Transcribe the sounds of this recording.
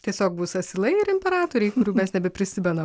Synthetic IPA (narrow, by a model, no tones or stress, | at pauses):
t̪ʲiɛsʲoːkbuːsɐsʲɪlˠɐɪɪɾʲɪmʲpʲɛɾɑːt̪oːɾʲɛɪkʊɾʲuːmʲɛsnʲɛbʲɛpʲɾʲɪsʲɪmʲɛnɐm